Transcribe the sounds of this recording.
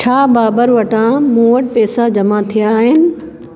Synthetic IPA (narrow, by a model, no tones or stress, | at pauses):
t͡ɕʰaːbaːbəɾʋɐʈãmũːəʈpɛːsad͡ʑɐmat̪ʰijaːɦɪnɪ̆